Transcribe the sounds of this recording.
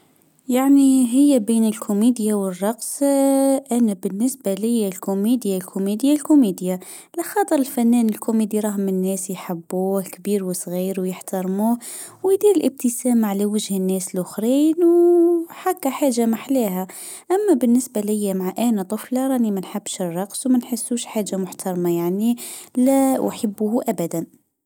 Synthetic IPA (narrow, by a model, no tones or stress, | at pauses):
jaʕniɦɪjːæbiːnəlkʰʊmiːd̪jawərˤːɑqs | ʔænæbɪnːɪsbalɪjːalkʊmid̪jalkʰʊmid̪jalkʊmid̪ja | laxɑːt̪ˤəɾəlfænːæːnɪlkʊmiːd̪iɾˤɑːɦmɪnːæːsjħabːuːhkbiːɾwəsˤɣiːɾwjəħt̪ɑɾˤmuː | wjd̪iːɾəlʔəb̚t̪əsæmʕalæwəʒhənːæːslʔʊxɾiːnwħakːaħaːʒamaħlæːɦæ | ʔæmːæbənːəsbalɪjːamaʕaʔænæt̪ˤʊflɑɾˤɑːnimænħabːʃərˤːɑqswmænħəsːuʃħaːʒːamʊħt̪ʰɑɾˤmajaʕnilæʔħabːuhʔæbæd̪æn